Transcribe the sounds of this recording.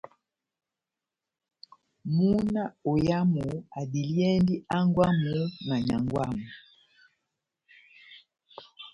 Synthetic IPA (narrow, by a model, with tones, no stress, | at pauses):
mu˦na˦ɔ˨ja˦mu˨a˨di˨ljɛ˦ndi˦a˦ŋɡwa˦mu˨˦na˨ɲa˨ŋɡwa˦mu˨